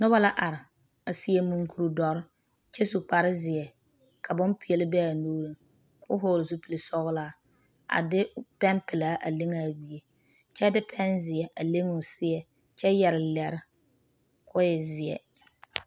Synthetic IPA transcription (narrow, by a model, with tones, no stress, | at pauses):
nʊ˦ba˦la˦ʔa˨ɾɪ˨ | a˨si˦e˦mu˨ŋku˨ɾu˨dɔ˨ɾɪ˦ | t͡ʃɛ˦su˨k͡pa˨ɾɪ˦zɪ˨ɛ˨ | kʰa˨bʊ˦mpi˨˦ɛ˨lɪ˦bɛ˦a˨noː˦ɾi˦ŋ | kʰʊ̰˦ɦo˦˨lʊ˨su˦pi˨li˨sɔ˦ɣʊ˦laː˦˨ | a̰˨dɪ˦pɛ˦mpɪ˨laː˨˦ʔa˨le˦ŋa˨bi˦e˦ | t͡ʃɛ˦dɪ˦pʰɛ˦nzɪ˨ɛ˨ʔa˨le˦ŋʊ˨sɪ˦ɛ˨ | t͡ʃɛ˦jɛ˨ɾɪ˨lɛ˨ɾɪ˦ | kʰʊ˦jɛ˨zɪ˨ɛ̰˨